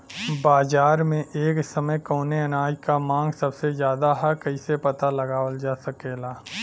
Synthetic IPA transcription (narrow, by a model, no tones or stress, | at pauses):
baːzaːɾmẽʔeːksɐməjkoːneɐnaːd͡ʒkamãːŋɡsɐbsezjaːd̪aɦɛkɐisepɐt̪alɐɡaːwəld͡ʒaːsɐkeːlaː